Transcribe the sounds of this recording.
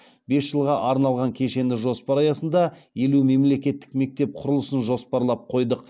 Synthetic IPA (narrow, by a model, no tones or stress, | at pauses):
be̞sʒ̥əlˠʁɑʔɑɾnɑlˠʁɑŋkʲʰe̞ʃe̞nɪʒo̞spɑɾɑjɑsənd̪ɑje̞lume̞mle̞kʲe̞t̪ːɪ̥kme̞k̚t̪e̞p̚qʰʊɾʊlˠəsənʒo̞spɑɾlˠɑp̚qʰo̞jd̪əq